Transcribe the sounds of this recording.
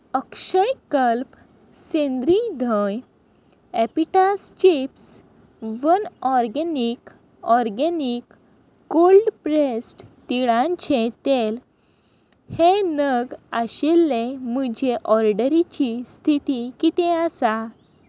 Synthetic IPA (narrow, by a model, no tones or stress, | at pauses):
əkɕəjkəlp | sẽnd̪ɾid̪ʱəj | epiʈast͡ɕips | ʋənɔɾɡenik | ɔɾɡɛnikː | olɖpɾesʈt̪iɭãnt͡ɕʰẽt̪el | henəɡaɕilːeməd͡ʑʱeʔɔɾɖəɾit͡ɕist̪ʰit̪ikit̪ẽasa